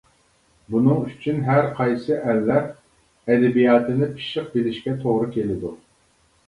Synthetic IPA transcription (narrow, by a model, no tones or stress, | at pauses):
bunɨŋyt͡ʃʰynɦæɾqʰɑjsɨʔɛlːæɾ | ɛd̪ɛbijɑːt̪ʰɨnɪpʰi̥ʃɪq̚belɪʃkʲɛt̪ʰoʁɾɨkʲʰelɪd̪u